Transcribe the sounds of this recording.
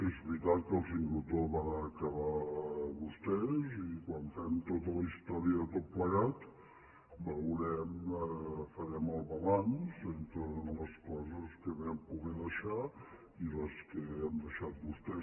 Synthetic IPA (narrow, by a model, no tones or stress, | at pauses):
ezβɾit̪at̪̚kəlˠsind̪ɾut̪oβanəkəβaβust̪ɛzikwaɱfɛmt̪ot̪ələist̪ɔɾiəðət̪ot̪̚pləɣat̪ | bəwɾɛm | fəɾɛməlˠβəlanzent̪ɾələskɔzəskəβempuɣɛðəʃa | iləskəɛmd̪əʃat̪̚bust̪ɛ